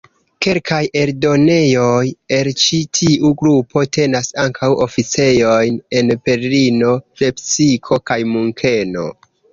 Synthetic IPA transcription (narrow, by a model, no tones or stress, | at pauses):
ke̞lkʰaje̞ɾdo̞ne̞jo̞je̞lt͡ʃitʰiʔuɡɾupo̞te̞nasaŋkʰawo̞fit͡se̞jo̞jne̞npe̞ɾlino̞le̞psikʰo̞kajmuŋkʰe̞no̞̰